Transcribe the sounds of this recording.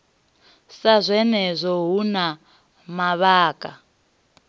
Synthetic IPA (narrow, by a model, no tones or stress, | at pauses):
sazʷɛnɛzʷɔɦuna | maβaːkʼa